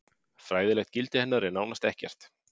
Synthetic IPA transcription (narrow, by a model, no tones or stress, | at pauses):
fɾaːjðɪlɛxt̪̚cɪlt̪ɪhɛnːaɾɪnaːwnast̪ɛhcɛ̰r̥t̪